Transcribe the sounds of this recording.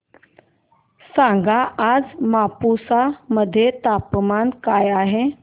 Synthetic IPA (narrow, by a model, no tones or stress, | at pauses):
sãŋɡʱaad͡zmapusaməd̪ʱːjet̪apmankajaɦe